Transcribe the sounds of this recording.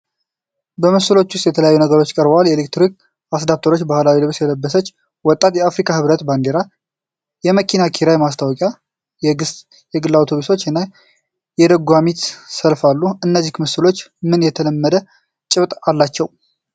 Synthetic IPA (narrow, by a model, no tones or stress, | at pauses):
bəmɨsɨlo̞t͡ʃːʊst̪jɛt̪ʰələjajːunəɡəɾo̞t͡ʃːkʼəɾbəwaljɛlek̚t̪ɾik̚ | asd̪ap̚t̪ʰəɾo̞t͡ʃːbahlawilɨβsjɛd̪əbːəsət͡ʃː | wɔt̪ʼːat̪jɛafɾikʰʼahɨβɾət̪band̪eɾa | jɛməkʰinakʰiɾajmast̪ʰawɔkʼja | ɨs | jɛɡɨlːawt̪ʰo̞βuso̞t͡ʃːnːa | jɛd̪əɡʷamit̪səlfalːuɨnːəzːihkmɨsɨlo̞t͡ʃːmɨnjɛt̪ʰələmːəd̪ə | t͡ʃʼɨβt̪ʼalːat͡ʃːɛw